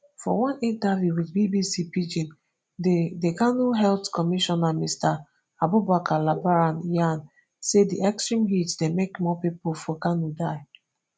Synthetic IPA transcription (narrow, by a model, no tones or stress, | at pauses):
fɔ̰wɔ̃nĩntavjuwidbibisipid͡ʒĩn | ddeɡanuɦɛltkɔmiʃɔnamista | abubakʰalabaɹanjan | sediʔɛkstɹĩmɦitdemekmɔpipofɔɡanudaɪ